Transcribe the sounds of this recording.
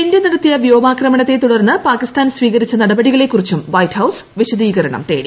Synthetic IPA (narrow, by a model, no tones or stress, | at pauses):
indeniɾɐt̪ːijɐʋjo̞ːbaːkrɐmɐɳɐt̪ːet̪uɽɐrnːɨpaːkist̪aːnsʋiːɣɐɾit͡ɕːɐnɐɽɐbɐɽiɣɐɭe̞kːurit͡ɕːumʋɐjthɐwsʋiɕɐd̪iːɣɐɾɐɳɐ̰mt̪e̞̰ːɽi